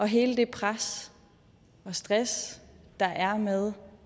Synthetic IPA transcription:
ʔɒ̽ɦe̝ːləd̥e̝pʰʁas | ɒ̽sd̥ʁas | d̥ɑ̈ʔæɐmeðˠ

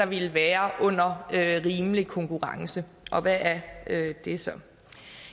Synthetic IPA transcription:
ɑ̈ʋelʋæːɐʔɔ̽n̰ɐøʁiːmlikʰɔ̽ŋkʰuʁɑ̈ŋsə | ʔɒ̽ʋæʔæɐød̥e̝sɒ̽

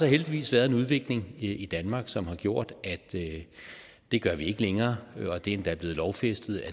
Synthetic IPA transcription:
sɒɦeld̥iʋḭːsʋæɐðˠe̝nuð̞ˠʋe̝ɡ̥le̝ŋid̥ænmɑ̈ːɡ̥sɒ̽mhɑ̈ɡ̥jo̝ɐ̰d̥æd̥ø | d̥e̝ɡ̥ɶɐʋie̝ɡ̥əleŋɐːɒ̽d̥e̝nd̥ɑ̈æɐb̥le̝ːð̩ˠlɒʊfesd̥ð̩ˠæ

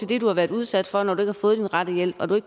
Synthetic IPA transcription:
e̝ld̥e̝d̥uhɑ̈ʋæːɐðˠuð̞ˠsæd̥fɒ̽nɒd̥ɾue̝ɡ̥hɑfɔ̽ːð̞̩ˠd̥inʁɑd̥əjel̰b̥ɒ̽d̥ue̝ɡ̥

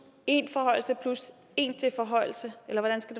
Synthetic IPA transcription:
e̝nfɒ̽ɦɒ̽ɪ̰l̩səpʰlus | e̝nt͡sʰe̝fɒ̽ɦɒ̽ɪ̰l̩səelɐʋɒɾ̥ænsɡ̥æd̥e̝

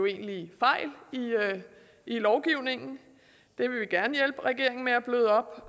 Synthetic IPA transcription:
oe̝̰ːnlifɑ̈ɪ̰li | ilɒʊɡ̥iʊ̰ne̝ŋn̩ | d̥e̝ʋe̝ʋiɡ̥æɐnəjel̰b̥ʁɛɡ̥e̝̰ɐ̰eŋn̩meæb̥løðˠɒ̽b̥

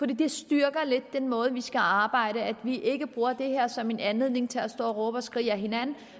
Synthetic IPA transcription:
fɒd̥ḭːd̥e̝sd̥yɐɡ̥ɐle̝d̥̚ːenmɔ̽ːð̞̩ˠʋisɡ̥æɑ̈ːb̥ɑ̈ɪ̰ɾəæd̥ʋiʔe̝ɡ̥əb̥ʁuːɐd̥e̝heɐ̰sɒ̽me̝nænle̝ðˠne̝ŋt͡sʰe̝æsd̥ɒ̰ːʁɔ̽b̥ɒ̽sɡ̥ʁiːæɦe̝nænn̩

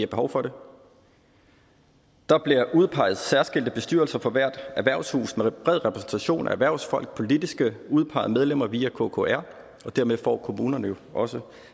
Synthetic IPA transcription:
ɐb̥e̝ɦɒʊfɒ̽ɾe̝ | d̥ɑ̈b̥liɐʔuðˠpʰɑ̈ɪ̰ð̞̩ˠsæɐsɡ̥e̝l̰d̥əb̥e̝sd̥yɐlsɐfɒ̽ʋæɐ̰d̥æʋæɐshṵːsmeb̥ʁɛð̰ˠʁɛpʰʁɛsn̩t͡sʰæɕo̝̰ːnʔæ̰æʋæɐʊsfɒ̽l̰ɡ̥̚pʰo̝lid̥isɡ̥əuð̞ˠpʰɑ̈ɪð̩ˠmeð̞ˠlem̰ɐʋiːækʰo̰kʰo̝æɐ̰ | ɒ̽d̥æɐmeðˠfɒ̰ːkʰo̝muːnɐnəjo̝ʔɒ̽sə

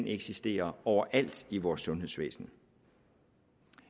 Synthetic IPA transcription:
neɡ̥sisd̥e̝̰ːɐɒʊ̰ɐʔæl̰d̥iʋɒːsːɔ̽nɦe̝ðˠsʋḛːsn̩

